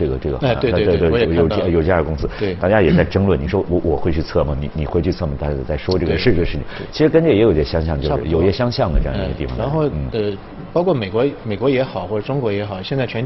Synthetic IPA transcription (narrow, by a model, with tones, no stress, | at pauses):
ɤ˥˩ɡə˩ʈ͡ʂɤ˥˩ɡə̰˩˥˧t̪t̪jo˨˩˥jo˨˩ʈ͡ʂjəkʊ˥ŋsɹ̩˥˧t̪a˥˧˩t͡ɕja˥jɛ˨˩t͡sa˥ɪʈ͡ʂɤ˥ŋlwə˥˩ni˨˩ʂwɔ˥wɔ˧˦˥wɔ˨˩xwe˥˧ɪt͡ɕʰy˥˧t͡sʰɤ˥˩mɐ˩ni˨˩ni˨˩xwe˥˧t͡ɕʰy˥˧t͡sʰɤ˥˩mə˨˩t̪a˥˩t͡ɕja˥˩ɛ˨˩t͡sa˥˩ɪʂwɔ˥ʈ͡ʂɤ˥˩ɡə˩ʂɻ̩˥˩i˥˩ɡ̪ə˩ʂɻ̩˥˩t͡ɕʰɪ̰˨˩t͡ɕʰi˧˥ʂɻ̩˧˥kə˥nt͡ɕɥɛ˥˩jɛ˧˥jo˨˩jɛ˥˩ɕjɑ˥ŋɕ̬jɑ˥˧ŋt͡ɕo˥˧ɻ̩̰˥˧˥jo˨˩ʊ˩ɛ˥˩ɕjɑ˥ŋɕjɑ˥˩ŋd̪ə˩ʈ͡ʂɤ˥˧jɑ̰˥˧ḭ˧˥˧ɡə˧t̪i˥˩fɑ̰˨˩ŋa˧˥n˥xo˥˧ʊn̩˥˩ə˧˩ | pɑ˥kʰwɔ˥˩me˨˩ɪkwɔ˧˥me˨˩ɪkwɔ˧˥jɛ˧˥xɑ˨˩ʊxwɔ˥˩ʈ͡ʂə˨˩ʈ͡ʂʊ˥ŋkwɔ˧˥jɛ˧˥xɑ˨˩˦ʊɕjɛ˥˧nt͡sa˥˩ɪt͡ɕʰɥɛ˧˥n